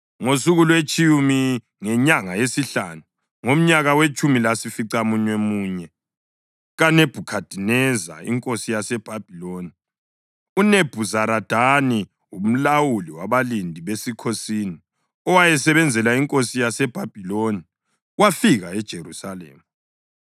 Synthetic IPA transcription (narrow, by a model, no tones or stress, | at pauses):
ŋosuɣulwet͡ʃʼiumi | ŋɛɲaŋajesiɬa̰nu | ŋom̩ɲaɣawet͡ʃʼumilasifiǀamuɲwemuːɲɛ | ɣaneb̥ʱukʰad̥ʱinɛza̰ḭŋkʼosijasɛb̥ʱab̥ʱiloːni | uneb̥ʱuzaɾad̥ʱani | um̩lawuliwaβalindʱiβesikʰosini | ɔwajɛsɛβɛnd͡zʱɛlaiŋkʼosijasɛb̥ʱab̥ʱiloni | wafiɣaɛd̥ʒ̥ʱerusalḛːmu